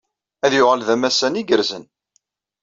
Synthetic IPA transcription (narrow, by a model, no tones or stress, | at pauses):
æðjʊʁəlðæmæsæniɡəɾzən